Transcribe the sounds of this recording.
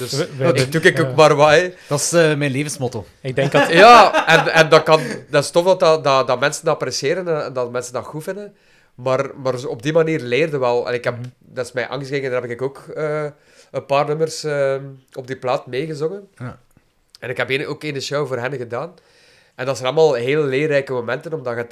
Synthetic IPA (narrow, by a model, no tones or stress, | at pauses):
d̥ɵstukɪkoːkmaːrwajd̥ɑsmɛnleːvənsmɔto | ɪɡ̚dɛŋkjaːɛnɛndɑkɑndɪstɔfdɑtɑdɑdɑmɛnsəndɔprɛseːɾənɛndɑtmɛnsəndɑɣufɪndən | maːrmaːrɔb̚dimaniːrleːrdəʋɛlˠɛ̰nɪkɦɛpdɪsmɛjʔa̰ːŋɣəskeːkəndaːɾɦɛpɪkɪkoːkəː | ənpaːrnɵmərsəːɔb̚diplaːtmeːɣəzɔŋən | ɛnɪkɦɛpeːnʔoːkenəʃowvoːrɦɛnɣədaːn | ɛndɑtsɛnɑlˠmaːlˠɦeːlleːrɛjkəmomɛntənɔmdɑɣət